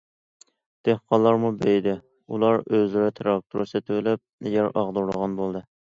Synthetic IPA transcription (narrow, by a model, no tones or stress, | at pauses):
d̪̥ehqʰɑlˠːɑɾmubejd̪ɪ | ulˠɑɾøzlɪɾɪt̪ʰɾɑk̚t̪ʰuɾɨsɨt̪ʰɪwlɪp̚ɛjʲæɾɑʁd̪uɾlˠəʁɑnbolˠd̪ɨ